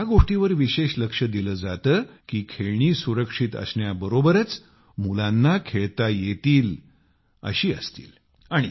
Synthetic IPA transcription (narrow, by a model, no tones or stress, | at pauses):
ɦjaɡoʂʈiʋəɾʋiɕeɕləkʂəd̪iləːd͡zat̪əːkiːkʰeɭɳiːsuɾəkʂit̪ə̰sɳjabəɾobəɾət͡s | mulãnːakʰeɭt̪ajet̪iːl | ə̰ɕiːə̰st̪ḭːl | aɽ̃i